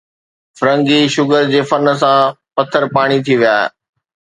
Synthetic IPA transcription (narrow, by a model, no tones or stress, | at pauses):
fɾə̃ŋɡiʃʊɡəɾd͡ʑeːfɐnə̆s̬ã | pɐt̪ʰːəɾpaːɽ̃it̪ʰiʋijaːɦḛ